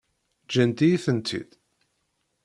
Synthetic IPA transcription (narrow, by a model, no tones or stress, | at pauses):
d͡ʒænt̪ijiθənt̪ʰḭd̪